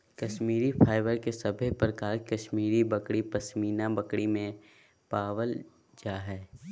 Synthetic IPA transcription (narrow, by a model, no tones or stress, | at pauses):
kɐʃmiːɾipʰaːɪʋəɾkesɐbʱpɾəkaːɾkɐʃmiːɾibɐkɽipɐsmiːnabɐkɽimẽ | paːʋəl | d͡ʒaːɦɛː